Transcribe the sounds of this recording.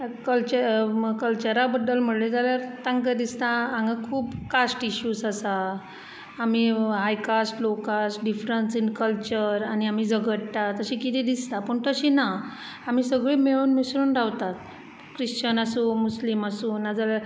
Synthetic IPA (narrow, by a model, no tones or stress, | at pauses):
kəlt͡ɕəkəlt͡ɕəɾabəd̪ːəlm̤əɽled͡zaljaɾt̪ãŋkəd̪ist̪ããŋɡakʰuːpkasʈiɕuːsasaː | m̤iɦajkasʈlokasʈɖifɾənsinkəlt͡ɕəɾañiam̤iːd͡zəɡəʈʈ̪at̪əɕĩːkit̪ʰid̪ist̪apəɳt̪əɕina | am̤iːsəɡɭiːmeɭuːnmisɾuːnɖawt̪at̪̚ | kɾiɕt͡ɕənəsuːmusliməsuːnːad͡zala